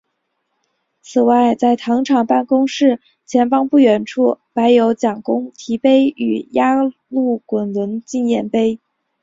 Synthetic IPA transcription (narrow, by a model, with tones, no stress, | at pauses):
t͡sʰɹ̩˨˩wa˥˧ɪt͡sa˥˩ɪt̪ʰɑ˧˥ŋʈ͡ʂʰɑ˨˩ŋpa˥˩nkʊ˥ŋʂɻ̩˥˩ | t͡ɕʰjɛ˧˥nfɑ˥ŋpu˥˩ɥɛ˧˥nʈ͡ʂʰu˥˩pa˧˥ɪjo˧˥ʊt͡ɕjɑ˨˩ŋkʊ˥ŋt̪ʰi˧˥pe˥ɪy̰˨˩ja˥ | lu˥˩kwə˨˩nlə˧˥nt͡ɕi˥˧njɛ˥˩npe˥ɪ